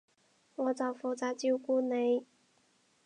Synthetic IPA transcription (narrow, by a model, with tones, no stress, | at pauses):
wɔ˨˥t͡sɑ˨˩wfu˨˧˩t͡saː˧˥t͡ɕji˥wkuː˥ne˨˧˥j